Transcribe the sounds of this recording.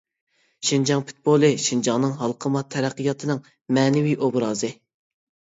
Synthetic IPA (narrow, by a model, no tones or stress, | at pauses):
ʃind͡ʒɑŋpʰu̥t̪̚bolˠɨʃind͡ʒɑŋnɨŋɦɑlˠqʰəmɑt̪ʰːɛɾæqʰːijɑt̪ʰɨnɨŋ | mɛːnɪwiʔobɾɑːzɨ